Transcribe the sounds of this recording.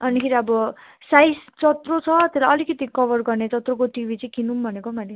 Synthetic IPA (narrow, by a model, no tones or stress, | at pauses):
ʌnikʰeɾiʌbʌsajst͡sʌt̪rot͡sʰʌt̪elajʌlikʌt̪ikʌbʌrɡʌrnet͡sʌt̪rokoʈibʱit͡sʌĩkinumbʱʌnekomani